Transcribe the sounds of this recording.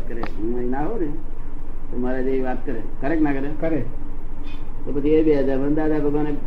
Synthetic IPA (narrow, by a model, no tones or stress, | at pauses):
kəɾeɦũməinaɦone | t̪omaɾad͡ʒeiʋat̪kəɾḛkəɾeknakəɾekəɾek | t̪opət͡ʃʰiebead͡ʒamənd̪ad̪apəɡone